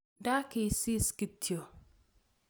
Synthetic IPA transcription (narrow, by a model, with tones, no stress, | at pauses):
da˦kɪ˨si˦ski˨tʰjo˨